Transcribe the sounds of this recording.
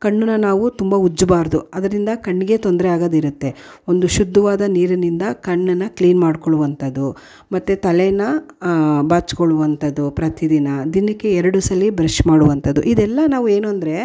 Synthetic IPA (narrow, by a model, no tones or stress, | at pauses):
kɐɳːɐnːɐnaːʋut̪umbɐud͡ʒːbaːɾɐd̪uɐd̪ɐɾind̪ɐkɐɳːiɡe̞t̪ond̪ɾeaːɡɐːd̪eiɾut̪ːe̞ | o̞nd̪uʃud̪ːɐʋaːd̪ɐniːɾɐnind̪ɐkɐɳːɐnːɐkliːnmaːɽkoɭuʋɐnt̪ɐd̪ːu | mɐt̪ːet̪ɐlenːɐ | baːt͡ʃkoɭuʋɐnt̪ɐd̪ːupɾɐt̪id̪inɐd̪inɐkːeɛɾɐɽusɐlːibɾɐʃmaːɽuʋɐnt̪ɐd̪ːṵʔid̪ɛlːɐnaːʋue̞ːnuɐnd̪ɐɾe̞